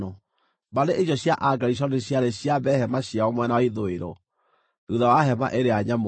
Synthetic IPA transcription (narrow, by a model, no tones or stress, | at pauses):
ɔ | baneʔeɕɔɕjaʔaɡaɾiɕ̬ɔneɕjaɾeɕjaβɛhɛmaɕjaɔmwɛnawaiðoeɾɔ̰ | duðawaɦɛma̰ʔeɾeaɲamo